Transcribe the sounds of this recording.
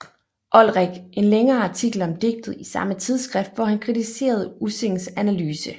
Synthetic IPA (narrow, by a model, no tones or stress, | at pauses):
ʔɒ̽lʁɛɡ̥e̝nleŋɐːɑ̈t͡sʰiɡ̥l̩ɒ̽md̥e̝ɡ̥̚d̥ð̩ˠisɑ̈mət͡sʰið̞ˠsɡ̥ʁɛfd̥ʋɒhænkʰʁit͡sʰise̝̰ːɐð̞̩ˠuseŋn̩sænælyːsə